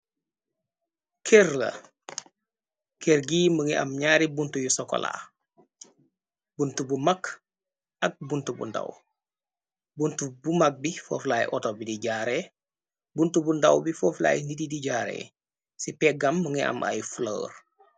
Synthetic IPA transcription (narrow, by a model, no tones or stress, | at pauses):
kʰɛrlɐ̰ | kɛɾɡiːməŋiʔɐmɲaːɾibuntujusɔkːɔ̰la̰ː | buntubumak | ʔɐk̚buntubṵnda̰w | buntubumak̚bifɔ̰ːflaːjʔɔtoɔbidiɟaːɾɛ | buntubundɐ̰wbifɔːfla̰ːjnididiɟaːɾɛ̰ | sipɛɡɐmːəŋiʔɐ̰mʔa̰jflo̰ːr